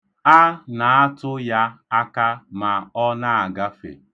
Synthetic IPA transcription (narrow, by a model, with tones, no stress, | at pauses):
a˦na˨a˦tʊ˦ja˦a˦ka˦ma˨ɔ˦na˦a˨ɡa˦fḛ˨